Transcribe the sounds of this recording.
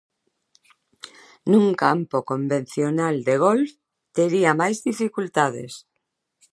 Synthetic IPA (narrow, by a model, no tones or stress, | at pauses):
nũŋkampokombẽn̟θjonald̪eɣ̞olf | t̪eɾiamajzðifikult̪aðḛs